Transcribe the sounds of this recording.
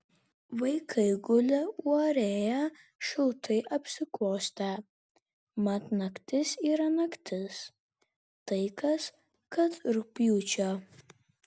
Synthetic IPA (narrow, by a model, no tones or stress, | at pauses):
ʋɐɪkʰɐɪɡʊlʲɛuɔɾʲeːjɛ | ʃɪlˠt̪ʰɐɪʔɐpʲsʲɪklˠoːsʲt̪ʲæ | mɐt̪nɐkt̪ʲɪsiːɾɐnɐkt̪ʲɪs | t̪ɐɪkɐs | kɐt̪ɾʊpʲjuːt͡ʃʲo